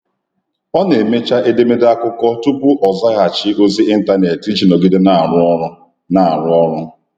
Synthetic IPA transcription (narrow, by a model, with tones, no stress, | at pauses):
ɔ˦ne˨me˦t͡ʃa˦ʔe˦de˦me˦de˦a˦kʊ˦kɔ˦tu˦pu˦ʔɔ˨za˦ɣa˨t͡ʃɪ˦ʔo˦zi˦i˦n̩˦ta˦ne˨ti˦t͡ʃi˨no˨ɡi˦de˦na˨ɾʊ˦ɔ˦ɾʊ˦ | na˨a˨ɾʊ˦ɔ˦ɾʊ˦